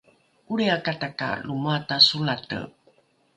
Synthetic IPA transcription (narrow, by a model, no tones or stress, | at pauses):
uɾeakataka̰lumatasulatə̰